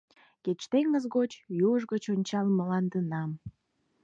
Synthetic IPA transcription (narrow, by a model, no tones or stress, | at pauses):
ket͡ɕt̪eŋəzɣot͡ɕjuəʒɣət͡ɕonʲt͡ɕɑlməlɑnd̪ənɑm